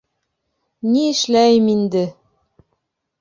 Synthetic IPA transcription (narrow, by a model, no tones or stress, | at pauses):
niɘ̆ʃlæjmind̪ɘ